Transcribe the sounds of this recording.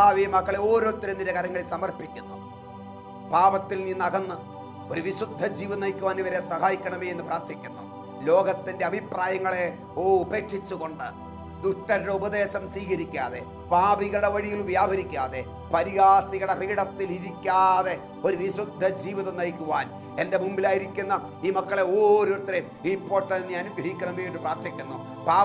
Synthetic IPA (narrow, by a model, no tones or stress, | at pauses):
aːʋiːmɐkːɐɭeoːɾo̞ːt̪ːiɾɐnd̪iɾɐkɐɾɐŋːɐɭilsɐmɐrpikʲːunːṵ | paːbɐt̪ːilniːnːɐɡɐnːɐ | oɾuʋiɕud̪ʱːɐd͡ʑiːʋiðɐnɐjkʲːuʋaːniʋɐɾesɐɦaːjikʲːɐɳɐmejenːɨpraːrt̪ʰikʲːunːṵ | lo̞ːɡɐt̪ːinde̞ɐbʱipraːjɐŋːɐɭe̞ | oːupe̞ːʈʂit͡ɕːuɣo̞ɳɖɨ | d̪uʈːɐɾɽeubɐðe̞ːɕɐmswiːɣɐɾikʲːaːðe̞ | paːbiɣɐɽeʋɐɻijilʋjaːbʱɐɾikʲːaːðe̞ | pɐɾiɣaːsiɣɐɽeriːɽɐt̪ːiliɾikʲːaːðe̞ | o̞ɾuʋisud̪ʱːɐd͡ʑiːʋiðɐnɐjkʲːuʋaːn | ende̞mumbilaːjiɾikʲːunːɐ | iːmɐkːɐɭeoːɾot̪ːɐɾe | ipːo̞ːrt̪ɐnːeeaːnuɡɾɐhikʲːɐɳɐmbejenːɨpraːrt̪ʰɐkʲːunːu | paː